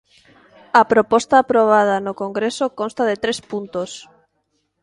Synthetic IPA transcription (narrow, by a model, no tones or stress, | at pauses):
ɐpɾopɔst̪aːpɾoβ̞að̞anokoŋɡɾesokonst̪aðɪt̪ɾespunt̪os